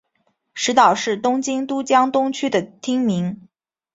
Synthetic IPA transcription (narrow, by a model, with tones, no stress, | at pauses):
ʂɻ̩˧˥t̪ɑ˨˩ʊʂɻ̩˥˩t̪ʊ˥ŋt͡ɕi˥ŋt̪u˥t͡ɕjɑ˥ŋt̪ʊ˥ŋt͡ɕʰy˥d̪ə˨t̪ʰi˥ŋmi˧˥ŋ